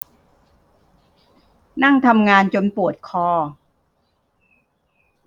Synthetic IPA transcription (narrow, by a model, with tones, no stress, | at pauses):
na˥˩ŋt̪ʰa˧mŋaː˧nt͡ɕo˧npu˨˩ət̪̚kʰɔː˧